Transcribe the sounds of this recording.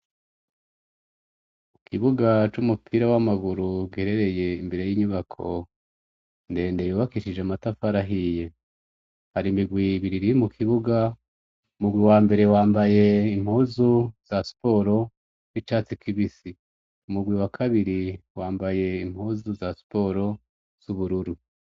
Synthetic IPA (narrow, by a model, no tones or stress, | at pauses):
mukʰiβuɡat͡ʃumupʰiɾawamaɡuɾuɡiheɾe̞ɾe̞je̞imbe̞ɾe̞jiːɲuβakʰo̞ | nde̞ːndejuːβakiʃid͡ʒeamatafaɾaɦije̞ | haɾimiɡwiβiɾiɾimukʰiβuɡa | umuɡwiwaːmbe̞ɾe̞waːmbaje̞im̥huːzuz̥asi̥po̞ɾo̞ | nit͡ʃaːt͡sikʰiβisi | umuɡwiwakʰaβiɾiwaːmbaje̞im̥huːzuzasi̥po̞ɾo̞ | z̥uβuɾuɾu